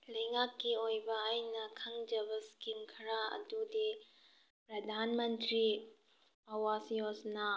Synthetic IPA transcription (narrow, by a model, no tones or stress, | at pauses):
lɐjŋakːiojbɐajnɐkʰɐŋd͡ʒɐbɐskimkʰɾaɐ̰dudi | pɾɐdʱanmɐntɾi | ɐwasjosna